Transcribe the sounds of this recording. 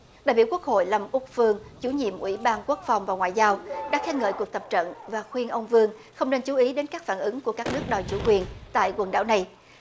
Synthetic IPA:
ɗa̰ː˨jɓi˧˩wku˦˥ək̚ho̰˧˨jla˨˩mʔʊ˦˥k̚fɨ˧əŋt͡ɕu˧˩˦ɲḭ˧˨əmʔwḭ˧˩ɓaː˧nku˦˥ək̚fa˨˩wŋ͡mvaː˨˩wŋwa̰ː˨jzaː˧wɗa̰ː˧˥xɛ˦˥ŋə̰ː˧˨jku˨˩ək̚t̪ə˨˩p̚t͡ɕə̰˧˨nvaː˨˩xwi˧ənʔə˧wŋ͡mvɨ˧əŋxə˧wŋ͡mne˧nt͡ɕu˨˦ʔi˨˦ɗe˨˦nkaː˦˥k̚faː˧˩nʔɨ˨˦ŋku˧˩əkaː˦˥k̚nɨ˦˥ək̚ɗɔ˨˩jt͡ɕu˧˩kwi˨˩ənt̪a̰ː˧˨jɣwə˨˩nɗa̰ː˧˥wna˨˩j

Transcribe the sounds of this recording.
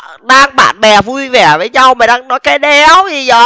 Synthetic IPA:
ɗaː˧ŋɓa̰ː˧˨nɓɛ˨˩vu˧jvɛ˨˧˩vəː˨˦jɲa˧wmaː˨˩ɗaː˧ŋnɔ˨˦jkaː˨˦jɗɛ˨˦wzi˨˩zəː˧˨˩

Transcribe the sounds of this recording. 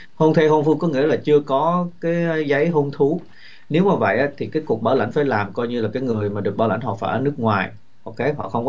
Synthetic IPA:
ho˧nt̪ʰe˧ɦo˧nfɨ˧kɔ˨˦ŋḭ˧˥əlaː˨˩t͡ɕɨ˧əkɔ˨˦kaː˨˦jzə˨˦jɦo˧nt̪ʰu˨˦ | ne˨˦wmaː˨˩və̰˧˨jʔaː˨˦˥t̪ʰi˨˩kaː˨˦jku˨˩ək̚ɓaː˧˩la̰˧˩jŋ̟faː˧˩jlaː˨˩mkɔ˧jɲɨ˧laː˨˩kaː˨˦jŋɨ˨˩əjmaː˨˩ɗɨ˨˩ək̚ɓaː˧˦la̰˧˩ŋ̟hɦɔ˨˩faː˨˩ʔəː˧˩nɨ˦˥ək̚ŋwaː˨˩j | ʔo˧wke˨˦ɦɔ̰˧˨xə˧wŋ͡mkɔ˧

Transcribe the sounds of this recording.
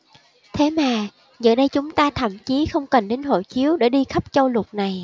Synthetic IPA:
t̪ʰe˨˦maː˨˩ | ɲə̰˧˨˩ɗə˧jt͡ɕʊ˨˦ŋ͡mt̪aː˧t̪ʰə̰˧˩mt͡ɕi˨˦xə˧wŋ͡mkə˨˩nɗe˨˦nɦo̰˧˩t͡ɕi˨˦əwɗe˧˩ɗi˧xə˦˥p̚t͡ɕə˧wlʊ˨˩t̚na˨˩j

